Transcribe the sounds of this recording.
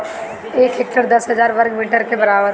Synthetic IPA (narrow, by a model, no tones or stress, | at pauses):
eːkɦɪk̚ʈəɾd̪ɐsɦəd͡ʒaːɾʋɐɾɡmiːʈəɾkebɐɾaːbəɾ